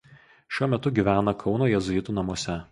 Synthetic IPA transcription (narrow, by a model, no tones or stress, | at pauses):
ʃʲuɔmʲɛt̪ʊɡʲiːʋʲæːnɐkʰɒʊnoːjɛzʊɪt̪uːnɐmuɔsʲɛ